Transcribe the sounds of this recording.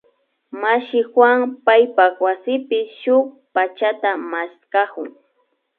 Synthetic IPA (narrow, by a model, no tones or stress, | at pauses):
maʃɪxwaŋpajpawasɪpɪʃʊk̚ | pat͡ʃat̪amaskakʊ̰ŋ